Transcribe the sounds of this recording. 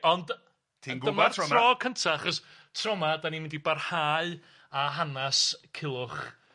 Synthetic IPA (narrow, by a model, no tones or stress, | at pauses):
ɔnd | tʰiɡəmarɔːkʰəntʰaaχɔstʰrɔmadaninwɪndibarhaːɨ | aɦanaskʰɪlˠʊχ